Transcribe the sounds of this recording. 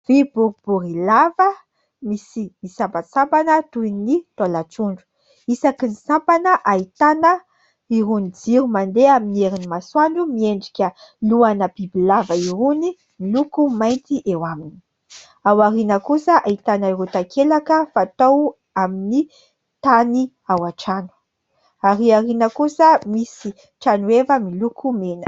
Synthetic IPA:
v̥iburib̥urilavə | misimisampasampanət̪ujnit̪alat͡suɳɖ͡ʐu̥ | isakinisampanəʔait̪anə | iɾunid͡ziɾumand̪eaminieɾinimaswaɳɖ͡ʐumieɳɖ͡ʐikʲəluanəbibilavəiɾuni | milukumajnt̪iʔewamini̥ | awaɾinəkusəʔait̪anaiɾut̪akʰelakəfaːt̪ow | amini | t̪ani | awaʈ͡ʂanu̥ | aɾiaɾinəkusəmisi | ʈ͡ʂanuevəmilukumenə̥

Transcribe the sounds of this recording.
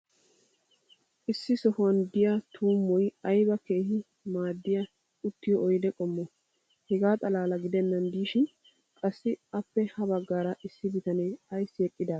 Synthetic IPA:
ʔɪsːɪsɔhɐnd̪ɪjat̪ʰuːmːɔjɐjbɐke̞ːhɪ | maːd̪ːɪja | ʊt̪ːɪjɔʔɔjd̪ɛkʼɔmːɔ | hɛɡaːt̪ʼɐlaːlɐɡɪd̪ɛnːɐnd̪iːʃɪn | kʼɐsːɪɐpːɛhɐbɐɡːaːɾɐʔɪsːɪbɪt̪ɐnɛjɐjsːɪɛkʼːɪd̪aː

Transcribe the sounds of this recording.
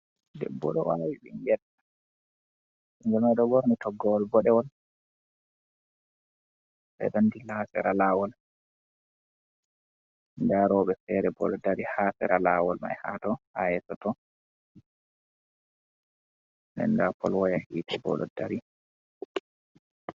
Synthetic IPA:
dɛ̰bːɔ̰ɗɔ̰wawiɓiŋɡɛɗa | ind͡ʒɛmajɗɔɡɔɾnitʰɔɡːɔwɔlbɔɗɛwɔl | ɓɛ̰ɗandilasɛɾalaːwɔl | ndaɾɔɓɛfɛɾɛbɔ̰lɔdaɾihasɛ̰ɾʔalawɔlma̰jhatɔhajɛsɔtɔ | nɛ̰ndapʰɔlwɔjahiːtʰibɔ̰lɔ̰daɾi

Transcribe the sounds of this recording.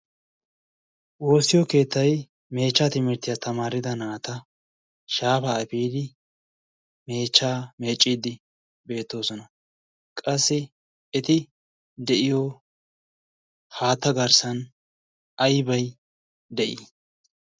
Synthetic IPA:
wo̞ːsːɪjɔke̞ːt̪ːɐj | me̞ːt͡ʃːaːt̪ɪmɛt̪ːɪjat̪ɐmaːɾɪd̪ɐnaːt̪ɐ | ʃaːfaɐpiːd̪ɪ | me̞ːt͡ʃːaːme̞ːt͡ʃʼːiːd̪ɪ | be̞ːt̪ːo̞ːsɔnɐ | kʼɐsːɪ | ɛt̪ɪ | d̪ɛʔɪjɔ | haːt̪ːɐɡɐɾsɐn | ɐjbɐj | d̪ɛʔiː

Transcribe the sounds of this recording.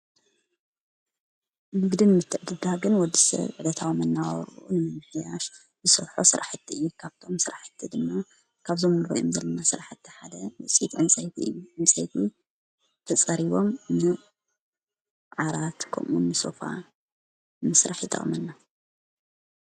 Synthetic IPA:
mɨɡd̪inmɨt̪ʰːɨʕd̪ɨd̪aɡɨnwɔd̪ːisɐ̰βʕɨd̪ɐt̪ʰawmɐnːawɾunɨmɨmːɨħjaʃ | zɨsɐ̰βħo̰sɨɾʔa̰ħɨt̪ʰːiɨjːukʰaβt̪ʰo̞msɨɾaħɨ̥t̪ʰːid̪ɨmːa | kʰaβzomɾo̰ʔjomzɐlːɐnasɨɾaħɨt̪ʰːiħad̪ɐwɨt͡sʼit̪ʕɨnt͡sʼɐjt̪ʰiɨ̰jːuʕɨnt͡sʼɐjt̪ʰi | t̪ʰɐt͡sʼɐɾiβo̞mnɨ | ʕaɾat̪kʰɐ̰mʔunːɨso̰fa̰ | mɨsɾaħit̪ʰʼɐ̰ʔmɨnːa

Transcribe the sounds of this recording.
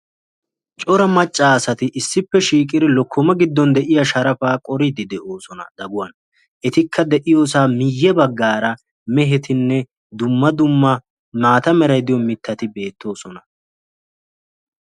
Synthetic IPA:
t͡ʃʼɔɾɐmɐt͡ʃʼːaːsɐt̪ɪʔɪsːɪpːɛʃiːkʼɪd̪ɪlɔkʰːɔmɐɡɪd̪ːɔnd̪ɛʔɪjɐʃɐɾɐfaːkʼɔɾɪd̪ɪd̪ɛʔo̞ːsɔnɐ̰d̪̥ɐɡʊwɐn | ʔɛt̪ɪkʰːɐd̪ɛʔɪjo̞ːs̬aːmɪjːɛbɐɡːaːɾɐ | mɛɦɛt̪ɪnːɛ | d̪ʊmːɐd̪ʊmːɐ | maːt̪ɐmɛɾɐjd̪ɪjɔmɪt̪ːɐt̪ɪbe̞ːt̪ːo̞ːsɔnɐ

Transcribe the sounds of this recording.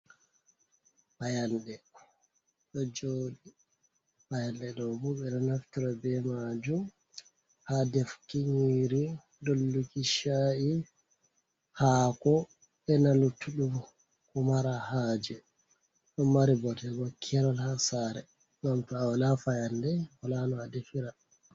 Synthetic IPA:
fajandɛ | ɗɔd͡ʒoːɗi | fajandɛɗɔbuɓɛnanaftiɾabɛmad͡ʒum | hadɛfkiɲiɾi | dolːukiʃaʔi | hakɔ | ɓɛnalutːuɗum | kɔmaɾahaːd͡ʒɛ | ɗɔmaɾibɔtɛɡɔkʰːɛɾalhasaɾɛ | ŋɡamtɔawalafajandɛwalanɔadefiɾa

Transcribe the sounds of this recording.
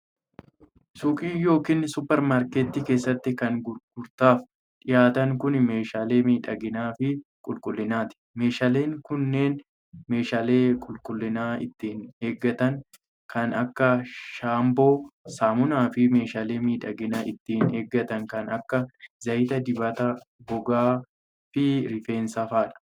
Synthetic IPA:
sʊːkʼiːjo̞ːkiːnsʊpɛɾmaːɾket̪ːiːke̞ːsːɐt̪ːɪkɐŋɡʊɾɡʊɾt̪aːf | ᶑɪjaːt̪ɐŋkʊnme̞ːʃaːle̞ːmiːᶑɐɡɪnaːfɪkʼʊlkʼʊlːɪnaːt̪ɪ̥me̞ːʃaːle̞ːŋkʊnːe̞ːn | me̞ːʃaːle̞ːkʼʊlkʼʊlːɪnaːɪt̪ːɪne̞ːɡːɐt̪ɐŋ | kʰɐnɐkːɐʃaːmbo̞ːsaːmʊnaːfɪme̞ːʃaːle̞ːmiːᶑɐɡɪnaːʔɪt̪ːɪːneːɡːɐt̪ɐŋkɐnɐkːɐzɐjɪt̪ɐd̪ɪbɐt̪ɐbɔɡaː | fɪɾɪfe̞ːnsɐfaːᶑɐ̥

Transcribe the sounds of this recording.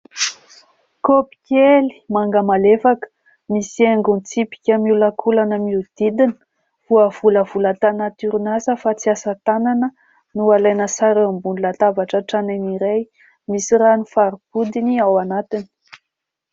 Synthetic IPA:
kopi̥kʲeli̥maŋɡəmalefakə̥ | misieŋɡunt͡sipi̥kʲəmiulakʰulanəmiud̪̥id̪inə̥ | vuəv̥uləv̥ulət̪anat̪yɾinazəfat͡siasət̪ananə | nualajnəsaɾambunilat̪avaʈ͡ʂəʈ͡ʂaneniɾej | misiranifaɾipud̪iniawanat̪ini̥

